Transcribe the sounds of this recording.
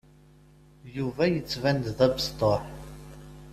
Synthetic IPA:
juvæjət͡sːvænd̪ðæbst̪ˤoħ

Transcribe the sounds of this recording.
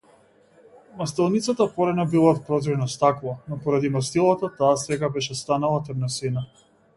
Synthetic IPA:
mast̪ɛlˠnit̪sat̪apɔɾɛnabilˠat̪̚pɾɔzɔɾnɔst̪aklˠanɔpɔɾad̪imast̪ilˠat̪at̪aːsɛɡabɛʃɛst̪analˠat̪ɛmnɔsɛna

